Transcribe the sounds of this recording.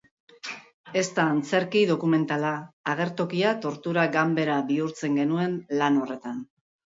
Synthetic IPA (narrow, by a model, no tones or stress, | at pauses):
e̞st̪aːnt͡se̞ɾkiðo̞kume̞nt̪alaːɣ̞e̞ɾt̪o̞kiat̪o̞ɾt̪uɾaɡambe̞ɾaβiuɾt͡se̞ŋɡe̞nue̞nlano̞re̞t̪an